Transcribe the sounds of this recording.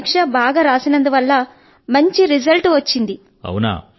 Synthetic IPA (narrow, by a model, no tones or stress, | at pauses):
kʂɐbaːɡaːɾaːsinɐnd̪uʋɐlːɐ | mɐɲt͡ʃiɾizɐlʈʋɐt͡ʃːind̪i | ɐ̰wuna̰ː